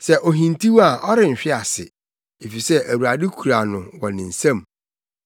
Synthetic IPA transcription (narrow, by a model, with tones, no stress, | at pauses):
sɛ˦ʔɔ˨ɦĩ˨ntʰi˦wa˨ʔɔ˦ɾɪ˨m̩˨ɕᶣɪ˦a˨sɪ̰˨ | e˨fi˨sɛ˦ʔæ˨wu˨ɾa˨dɪ˦kʰu˨ɾa˨nʊ̃˨wɔ̃˨nɪ̃˨n̩˨sã˦˨m